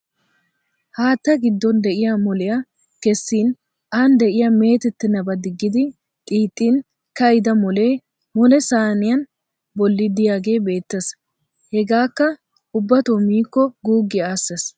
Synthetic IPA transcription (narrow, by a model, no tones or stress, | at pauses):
haːt̪ːɐɡɪd̪ːɔnd̪ɛʔɪjɐmɔlɪjɐ | kɛsːiːn | ʔand̪ɛʔɪjɐme̞ːt̪ɛt̪ːɪnɐbɐd̪ɪɡːɪd̪ɪ | t̪ʼiːt̪ʼːiːn | kɐjɪd̪ɐmɔl | mɔlɛsaːnɪjɐn | bɔlːɪd̪ɪjaːɡe̞ːbe̞ːt̪ːɐs | hɛɡaːkːɐ | ʔʊbːɐt̪oːmiːkːɔɡuːɡɪaːsːɐs